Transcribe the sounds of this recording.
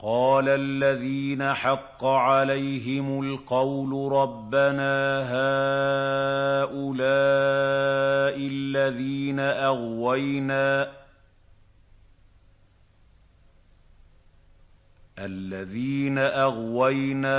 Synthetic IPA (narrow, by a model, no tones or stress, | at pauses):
qɑːlalːaðiːnaħɑqːɑʕalajɦɪmʊlqɑwlʊɾˤɑbːanaːɦaː | ʔʊlaː | ʔɪlːaðiːnaʔaɣwajnaː | ʔalːaðiːnaʔaɣwajnaː